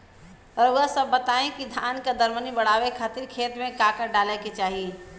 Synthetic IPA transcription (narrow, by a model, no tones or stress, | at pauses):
ɔɾʊasəbːət̪aẽkid̪ʱanked̪əɾmənibəɽ̤awekʰaːt̪iɾkʰet̪mẽkakəɖalɛket͡ʃaɦi